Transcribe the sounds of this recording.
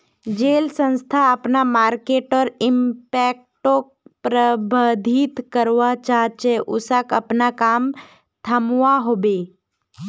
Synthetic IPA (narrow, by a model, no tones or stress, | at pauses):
d͡ʒeːlsə̃nst̪ʰaəpnamaːɾkeːʈɔːɾɪmpɛːk̚ | ʈokpɾəbəd̪ʱit̪kəɾʋat͡ʃaːt͡ʃɛʔʊsakəpnakaːm | t̪ʰəmʋaɦoːbe